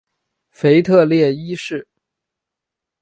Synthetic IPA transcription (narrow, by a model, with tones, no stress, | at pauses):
fe˧˥ɪt̪ʰɤ˥˧ljɛ˥˩i˥ʂɻ̩˥˩